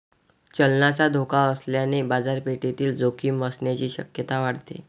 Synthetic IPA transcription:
t͡ɕəlnat͡sad̪ʱokaəsljanebad͡zaɾpeʈet̪iːld͡zokʰiːməsɳjat͡ɕiːɕə̰kjət̪aʋaɽt̪ḛ

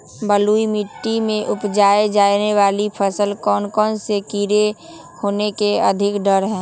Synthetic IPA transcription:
bəluimɪʈːimẽʔʊpd͡ʒaːed͡ʒaːneʋaːlipʰəsəlkɔːnkɔːnsekiːɾe | hoːnekeə̰d̪ʱɪkɖəɾɦɛ̃ː

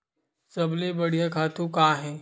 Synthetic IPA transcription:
sɐblebɐɽ̤ijãkʰaːt̪ũkaːɦɛ̃ː

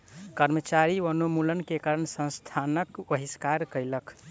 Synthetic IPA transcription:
kəɾmət͡ʃaɾiənumulənkekaɾəɳsə̃w̃st̪ʰanəkbəɦiskaɾkəjləkʰ

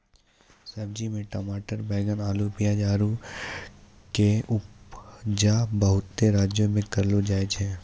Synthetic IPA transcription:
sɐbd͡ʒimẽʈɐmaːʈəɾbɛːɡənaːlupijad͡ʒaːɾu | keʊpd͡ʒabəɦʊt̪ːeɾaːd͡ʒjõmẽkɐɾlod͡ʒaːet͡ʃʰɛː

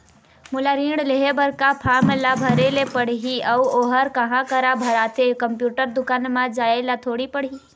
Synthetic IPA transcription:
mʊlaɾĩːɽleɦebəɾkapʰaːmlabʱəɾelepəɽ̤ɦiəuoːɦəɾkɐɦãkəɾabʱəɾaːt̪ʰekəmpjuːʈəɾd̪ʊkaːnmãd͡ʒaːelat̪ʰoːɽipəɽ̤i

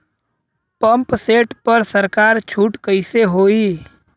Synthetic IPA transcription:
pə̃mpseːʈpəɾsəɾkaːɾt͡ʃʰuːʈkəɪseɦoːiː

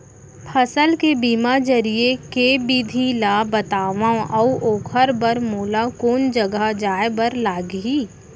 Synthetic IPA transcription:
pʰɐsəlkebiːmad͡ʒɐɾiekeːbiːd̪ʱilaːbət̪aːʋãʔɔuʔoːkʰəɾbəɾmoːlakoːnd͡ʒəɡəd͡ʒaːebəɾlaːɡɦiː

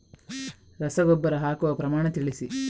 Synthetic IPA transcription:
ɾɐsɐɡɔbːɐɾɐɦaːkuʋɐpɾɐmaːɳɐt̪iɭisi

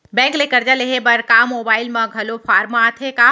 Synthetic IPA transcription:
bɛ̃ːŋklekɐɾd͡ʒaleɦebɐɾkaːmoːbaːɪlmɐ̃ɡʱɐlofʰaːɾmaːt̪ʰekaː

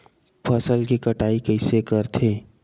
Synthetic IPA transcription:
pʰəsəlkikəʈaːikəɪsekəɾt̪ʰeː

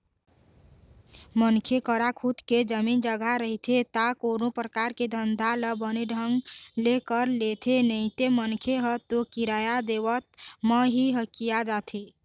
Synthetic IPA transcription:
mənkʰekəɾakʰud̪ked͡ʒəmind͡ʒəɡʱaɾəɦit̪ʰet̪akonopɾəkaɾked̪ʱənd̪ʱaləbəneɖʱəŋɡlekəɾlet̪ʰenəɪt̪emənkʰeɦət̪okiɾajad̪ewət̪̚məɦiɦəkijad͡ʒat̪ʰi

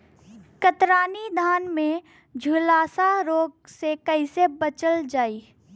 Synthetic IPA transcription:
kət̪ɾaːnid̪ʱaːnmẽ | d͡ʒʱulaːsaɾoːɡ̚sekəɪsebət͡ʃəld͡ʒaːiː

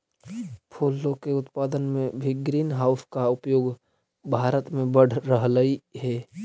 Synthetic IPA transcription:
pʰulːõkeʊt̪paːd̪ənmẽbʱiɡɾiːnɦaːʊskaʊpjoːɡ | bʱaːɾət̪mẽbəɽ̤ɾəɦləiɦɛː

